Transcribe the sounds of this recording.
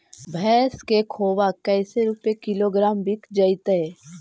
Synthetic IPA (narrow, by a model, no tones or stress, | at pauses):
bʱɛːskekʰoːʋakəɪseɾupekɪloɡɾaːmbɪkʰd͡ʒəit̪əe